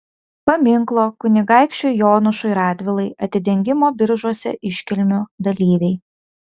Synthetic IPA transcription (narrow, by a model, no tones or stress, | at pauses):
pɐmʲɪŋklˠoːkʊnʲɪɡɑɪkʃʲt͡ʃʲʊjoːnʊʃʊɪɾɑːd̪ʲʋʲɪlˠɐɪʔɐt̪ʲɪd̪ʲɛŋʲɡʲɪmoːbʲɪɾʒuɔsʲɛ̰ʔɪʃʲkʲɪlʲmʲʊd̪ɐlʲiːʋʲɛɪ